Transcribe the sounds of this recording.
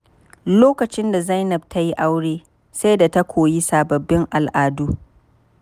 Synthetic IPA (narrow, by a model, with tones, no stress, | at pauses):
loː˦kɐ˨t͡ʃɪ˦nda˨za˦jnɐ˨b̚tʰa˦ji˦ʔa˦wɽeː˦ | sa˦jda˨ta˦kʷʰoː˨ji˦saː˨bɐ˨bːɪ˦ŋʔa˨lʔaː˨duː˦